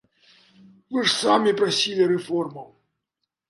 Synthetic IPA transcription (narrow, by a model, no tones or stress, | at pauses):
vɨʂsamʲipɾasʲilʲiɾɛfɔrmɐw